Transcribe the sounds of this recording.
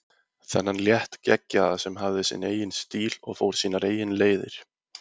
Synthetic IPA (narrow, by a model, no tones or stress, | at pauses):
θɛ̰nːanljɛht̪cɛcːaðasɛmɦavðɪsɪ̰neːjɪnst̪iːlɔ̰ɣfowɾ̥siːnaɾeːjɪnleːjðɪɾ̥